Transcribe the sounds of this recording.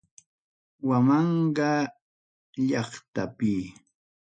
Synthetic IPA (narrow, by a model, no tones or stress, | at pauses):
wamɑɴɢɑ | ʎɑχt̪apɪ